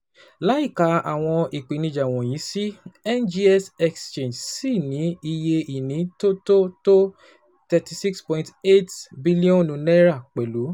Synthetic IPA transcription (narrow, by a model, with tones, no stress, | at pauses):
la˨˦i˦˨ka˨˦a˨w̃ɔ̃˧i˨k͡pi˨nĩ˧d͡ʒa˨w̃ɔ̃˨j̃ĩ˨˦si˦ɛ˦nd͡ʒi˦ɛ˦sɛ˧kst͡ʃẽ˦˨d͡ʒsi˦˨nĩ˨˦i˧je˧i˨nĩ˨˦to˦to˦to˦ | tɛ˧ti˧si˦kspɔ̃˧ĩnte˦tbi˦li˦ɔ̃˦nũ˨˧˦nɛ˦ɾa˦˨k͡pɛ˨lu˨˦